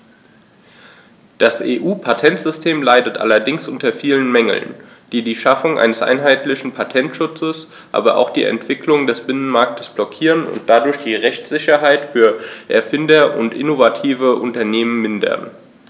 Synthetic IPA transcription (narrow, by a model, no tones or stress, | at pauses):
d̥asʔḛːʔuːpʰatʰɛntz̥ʏstʰeːmlaɪdətʔa̰lɐdɪŋsʔʊntɐfiːlənmɛŋl̩n | d̥iːdiːʃafʊŋʔa̰ɪnəsʔa̰ɪnɦaɪtʰlɪçn̩pʰatʰɛntʃʊt͡səs | ʔa̰ːbɐʔa̰ʊxd̥ḭːʔɛ̰ntv̥ɪklʊŋdɛsb̥ɪnənmaɐk̚tʰə̥sb̥lɔkʰiːʁənʊ̰nt̚d̥adʊɐçd̥iːʁɛçt͡sz̥ɪçɐɦaɪtfyːɐʔɛ̰ɐfɪndɐʔʊ̰ntʔɪ̰novatʰiːvəʔʊntɐneːmənmɪndɐ̰n